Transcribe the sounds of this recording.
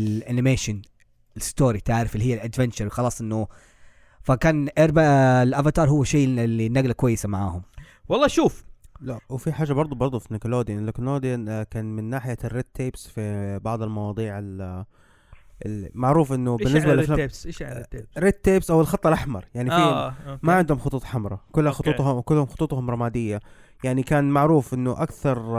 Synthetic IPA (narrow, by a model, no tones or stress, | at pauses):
lʔanɪmeːʃʊn | ɪlɪst̪oːɾit̪aʕɾɪfɪlihɪjːalʔad̪vɪnt͡ʃɑɾˤxɑlɑːsˤʔɪnːʊ | fakaːnʔeɾˤbalʔavat̪ɑːɾˤhʊwːaʃeːlːinːaɡlakwajːɪsamaʕaːhʊm | wɑlˤːɑːʃuːflawfiħaːʒːabɑɾˤd̪ˤubɑɾˤd̪ˤufinɪkʊloːd̪ijʔlɪkʊnoːd̪ijakaːnmɪnːaːħɪjarːed̪̚t̪ʰːeːbsfibɑʕd̪ˤɪlmɑwɑːd̪ˤiːʕɪl | ɪmaʕɾuːfʔɪnːʊbɪnːɪs̬bal | ɾed̪̚t̪ːeːbsʔawːɪlxɑt̪ˤːɑlʔaħmɑ̰ɾˤjaʕnifimaʕɪnd̪hʊmxʊt̪ˤuːt̪ˤħamɾˤɑkʊlːhaxʊt̪ˤuːt̪hʊkʊlːhʊmxʊ̥t̪ˤuːt̪ˤhʊmɾˤɑmaːd̪ɪjːa | jaʕnikaːnmaʕɾuːfʔɪnːʊʔakθɑɾˤ